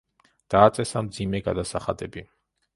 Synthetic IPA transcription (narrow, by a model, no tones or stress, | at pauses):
d̪̥aːt̪sʼɛsamd̪zimɛɡa̰d̪asaχa̰d̪ɛbi